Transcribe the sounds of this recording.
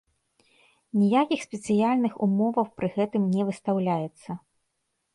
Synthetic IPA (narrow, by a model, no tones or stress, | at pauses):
nʲijakʲixsʲpʲɛt̪sɨjalʲnɨxumɔvɐwpɾɨɣɛt̪ɨmnʲɛvɨst̪awlʲajɛt̪sːɐ